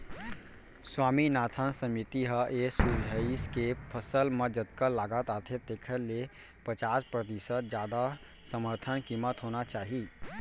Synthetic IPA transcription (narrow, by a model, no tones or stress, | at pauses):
swaːminaːt̪ʰansəmit̪iɦəʔesud͡ʒʱəiskepʰəsəlmed͡ʒət̪kəlaːɡət̪aːt̪ʰet̪eːkʰəlːe | pət͡ʃaːspɾət̪isət̪̚d͡ʒjaːd̪a | səməɾt̪ʰənkimət̪ɦoːnat͡ʃaːɦi